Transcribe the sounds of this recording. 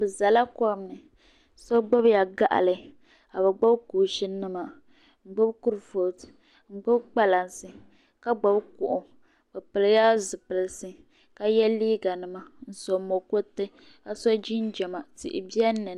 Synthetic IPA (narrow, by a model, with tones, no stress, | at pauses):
bɨ˨za˨la˦kɔ˦˨mnɨ˨ | sɔ˦ɡ͡bɔ˦bja˨ɡa˦ʔa̰˨lɨ˨ | ka˨bɛ˨ɡ͡bɔ˦bkuː˨ʃi˦nɨ˦ma˨ | ŋ͡m̩˨ɡ͡bʊ˦bku˦ɾɨ˨fo˨t | ŋ͡m̩˨ɡ͡bʊ˦bk͡pa˦la˨nsɨ˨ | ka˦ɡ͡ba˨bkʊ˨ʔʊ˨ | bɨ˨pɨ˨lja˦zʊ˨pɨ˨lɨ˨sɨ˦ | ka˦jɛ˦liː˦ɡa˨nɨ˦ma˨n̩˦sɔ˨mo˨ko˦tɨ˦ | ka˦sɔ˦d͡ʒi˦n˦d͡ʒɛ˨ma˨tḭ˨ʔɪ̰˨bi˦ɛ˦nːɨ˨